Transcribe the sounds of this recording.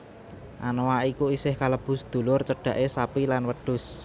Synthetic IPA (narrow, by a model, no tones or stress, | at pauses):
ʔa̰nowaikuisɪhkaləb̥ʊ̤sd̪̥o̤lʊrt͡ʃəɖ̥ä̤ʔesapilanwəɖ̥ʊ̤s